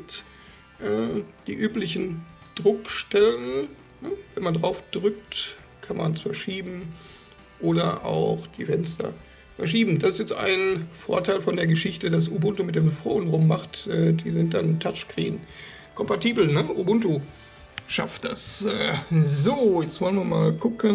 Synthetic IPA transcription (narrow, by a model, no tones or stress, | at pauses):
t | ʔɛːd̥iːʔyːplɪçn̩d̥ʁʊkʃtɛlən | nəvɛnmandʁaʊfd̥ʁʏk̚t | kʰanma̰nsfɛɐʃiːbm̩ | ʔoːdɐʔa̰ʊxd̥iːfɛnstɐ̰ | fɛɐʃiːbm̩dasɪstjɛt͡stʔa̰ɪnfo̰ːɐtʰaɪlfɔndeːɐɡəʃɪçtədas̬ʔubʊntomɪt̚d̥eːmfʁo̰ːənʁʊmːaχtʔɛːdiːzɪnt̚d̥antʰat͡ʃkʁ̥ḭːn | kʰɔmpatiːbl̩nəʔubʊnto | ʃa̰ft̚d̥asɛːzoːjɛt͡stvɔlənviːɐmaːlɡʊkən